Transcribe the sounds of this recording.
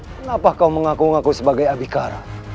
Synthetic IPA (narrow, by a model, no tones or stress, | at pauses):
kəŋapakauməŋakuŋakusəbaɡajabikaɾa̰